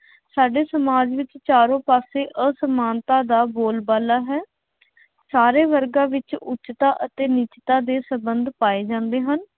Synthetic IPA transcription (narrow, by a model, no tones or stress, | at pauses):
saːɖeːsəmaːd͡ʒʋɪt͡ʃt͡ʃaːɾõːpaːseːʔəsəmaːnt̪aːd̪aːboːlbaːlaːɦɛː | saːɾeːʋəɾɡãːʋɪt͡ʃʊt͡ʃt̪aːʔət̪eːnɪt͡ʃt̪aːd̪eːsəbənd̪paːeːd͡ʒãːnd̪eːɦən